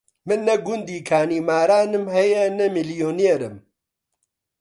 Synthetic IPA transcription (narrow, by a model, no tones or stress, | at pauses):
mɨnːɛɡʊnd̪iːkʰaːniːmaːɾaːnɨmhɛjɛnɛmiljoːneːɾɨ̰m